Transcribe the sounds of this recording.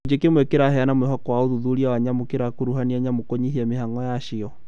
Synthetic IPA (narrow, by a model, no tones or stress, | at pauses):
ɲd͡ʒekemwekeɾahɛanamwehɔkɔwaoðuðuɾiawaɲamokeɾakoɾuɦaniaɲamokoɲiɦiamehaŋɔjaʃiɔ